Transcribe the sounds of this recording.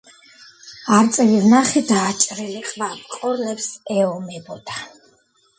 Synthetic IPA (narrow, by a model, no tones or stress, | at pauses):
aɾt̪sʼɛvivnaχid̪aːt͡ʃʼɾiliqʼvapqʼɔɾlɛpsɛɔmɛbɔd̪a